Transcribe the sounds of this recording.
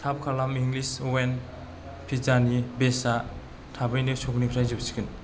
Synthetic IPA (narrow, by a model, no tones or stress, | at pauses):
tʰab̚kʰalamiŋlisuwen | pʰizanibesa | tʰabɯjnɯsoknipʰiɾajzubsi̥kʰɯn